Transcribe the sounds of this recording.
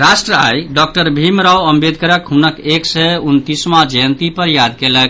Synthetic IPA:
ɾasʈɾəajɖɔk̚ʈəɾbʱimɾawəmbed̪̚ʱkəɾəkɦunəkeksɛunt̪ismad͡ʒəjənt̪ipəɾjad̪kelək̚

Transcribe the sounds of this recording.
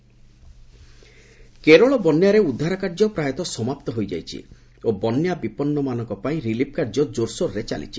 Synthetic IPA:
keɾɔɭɔbɔnjaɾeud̪ʱːaɾakaɾd͡ʒɔpɾajɔt̪ɔsɔmapt̪ɔɦojd͡ʒa̰jt͡ʃʰḭ | obɔnjabipɔnːɔmanɔŋkɔpaĩɾilip̚ʰkaɾd͡ʒɔd͡ʒoɾsoɾɾet͡ʃa̰lḭt͡ʃʰi̥

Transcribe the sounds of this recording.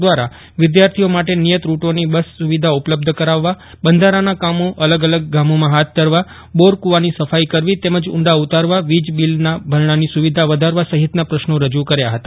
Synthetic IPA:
ʋaɾa | ʋɪd̪jaɾt̪ʰiomaʈenijət̪ɾuʈonibəsːuʋid̪ʱaupləb̚d̪ʱəkəɾaʋːa | bənd̪ʱaɾanakamoʔələɡələɡ̚ːamomãɦat̪̚ʰd̪ʱəɾʋa | boɾkuʋanisəfaikəɾʋit̪ɛməd͡ʒʊ̰ɳɖaut̪aɾʋaʋid͡ʒbilnabʱəɾɳanisuʋid̪ʱaʋəd̪ʱaɾʋasəɦɪt̪napɾəʃnoɾəd͡ʒukəɾjaɦət̪a

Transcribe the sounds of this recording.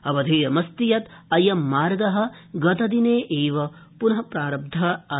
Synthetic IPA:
ɐbɐd̪ʱeːɐmɐst̪ijɐt̪ɐjɐmːaːɾɡɐɦɐ̆ɡɐt̪ɐd̪ineːʔeːʋɐpunɐɦɐpɾaːɾɐb̚d̪ʱɐɐ

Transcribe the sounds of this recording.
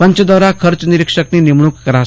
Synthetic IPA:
pəɲt͡ɕəd̪əʋɾakʰəɾt͡sniɾikʂəkninimɳuːkːəɾas

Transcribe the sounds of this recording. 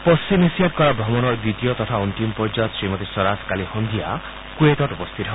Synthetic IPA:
pɔsinesiaʈ̚kɔɾabɾɔmɔnɔɾd̪it̪ijɔt̪ɔt̪ʰaunʈimpɔɾd͡ʒat̪sɾimɔt̪esɔɾaskalihɔnd̪ʱia | kueʈɔʈupɔst̪ʰit̪ɦ

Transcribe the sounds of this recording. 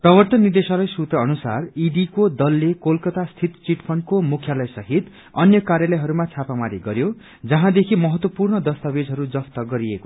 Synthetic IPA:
prʌbʌrt̪ʌnːid̪esʌlʌjsut̪rʌːnusariɖikod̪ʌlːekolkʌt̪ast̪ʰit̪t͡siʈpʰʌnkomukʰjalʌjsʌɦit̪ | ʌnjʌkaɾjalʌjɦʌɾumat͡sʰapamaɾiɡʌɾjo | d͡zʌɦãd̪ekʰimʌɦʌt̪wʌpurɳʌd̪ʌst̪abed͡zʱɦʌɾud͡zʌst̪ʌɡʌɾieko

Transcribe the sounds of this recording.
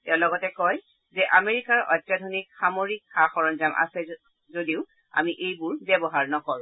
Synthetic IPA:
tɛʊ̃lɔɡɔtɛkɔj | zɛʔameɹikaɹɔ̰jtːjadʱonikxamoɹikxaxɔɹɔnzamʔa̰sɛ | zodiʊ | a̰miʔejbʊɹbɛbɔɦaɹnɔkɔɹʊ̃

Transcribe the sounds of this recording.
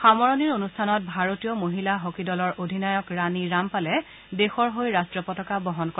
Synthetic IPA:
xamɔɹɔniɹonustʰanɔt̚bʱaɹotijɔmoɦilaɦokidɔlɔɹʔodʱinajɔkɹaniɹampalɛ | dexɔɹɦojɹastɹɔpɔtɔkabɔɦɔnkɔ

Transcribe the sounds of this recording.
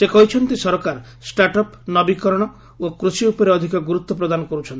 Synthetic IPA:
sekɔɦit͡ʃʰɔnt̪isɔɾɔkaɾ | sʈaɾʈɔpnɔbikɔɾɔɽ̃ɔ | okɾusiupɔɾeɔd̪ʱikɔɡuɾut̪ːɔp̬ɾɔd̪anɔkɔɾut͡ʃʰɔnt̪i

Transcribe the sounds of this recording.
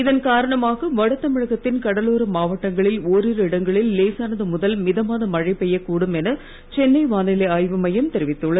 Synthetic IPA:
ɪðɐnkaːɾɐɳɐmaːɣɐʋɐɽɐt̪ːɐmɪɻɐɣɐt̪ːɪnkɐɽɐloːɾɐmaːʋɐʈːɐŋɡɐɭɪloːɾɪɾɪɽɐŋɡɐɭɪlːeːsaːnɐðɯmʊðɐlmɪðɐmaːnɐmɐɻɐɪpɛjɐkuːɽɯmɛnɐ | t͡ʃɛnːɐɪʋaːnɪlɐaːjʋɐmɐjɐmt̪ɛɾɪʋɪt̪ːɯɭːɐð

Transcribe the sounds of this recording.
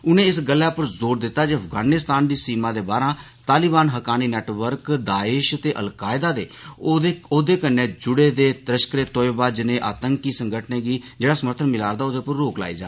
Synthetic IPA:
ʊnẽːɪsɡəlːaːpəɾzoːɾd̪ɪt̪ːaːd͡ʒeːəfʰɡaːnɪst̪aːnd̪iːsiːmãːd̪eːbaːɾãː | t̪aːliːbaːnɦəkaːniːnɛːʈʋəɾkd̪aːɪːʃt̪eːʔə̰lkaːɪd̪aːd̪ḛːeoːd̪eːkənːẽːd͡ʒʊɽeːd̪eːt̪ɾəʃkɾeːt̪oːjbaːd͡ʒnẽːʔa̰ːt̪əŋkiːsəŋɡʱəʈʰneːɡiːd͡ʒeːɽaːsəməɾt̪ʰənmɪlaːɾd̪aːoːd̪eːpəɾːoːkla̰ːḭːd͡ʒa̰ː

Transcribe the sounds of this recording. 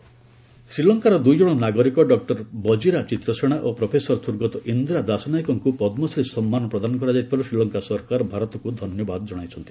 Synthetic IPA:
sɾilɔŋkaɾɔd̪ujd͡ʒɔɽ̃ɔnaɡɔɾikɔɖɔk̚ʈɔɾbɔd͡ʒiɾat͡ʃit̪ɾɔseɽ̃aʔopɾopʰesɔɾɔsuɾɡɔt̪ɔʔind̪ɾad̪asɔnajkɔŋkupɔd̪mɔsɾisɔmːanɔpɾɔd̪anɔkɔɾad͡ʒajt̪ʰipʰɔɾesɾilɔŋkasɔɾkaɾɔbʱaɾɔt̪ɔkud̪ʱɔnjɔbad̪ɔd͡ʒɔɽ̃ajt͡ʃʰɔnt̪i̥

